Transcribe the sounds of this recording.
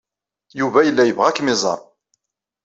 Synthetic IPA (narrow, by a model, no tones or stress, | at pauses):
juvæjəlːæjəvʁækmɪzˤɑ̰ɾˤ